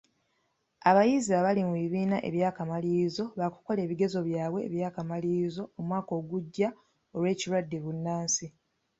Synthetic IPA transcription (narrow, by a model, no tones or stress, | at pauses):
aβajiziaβalimuβiβiːnaʔe̞̰βjaːkamaliːzo̞βaku̥ko̞le̞ːβiɡe̞zo̞βjaːβwe̞ːβjaːkamaliːzo̞ːmwaːko̞ːɡuɟːa | olwe̞ːciɾwadːeβunːaːnsi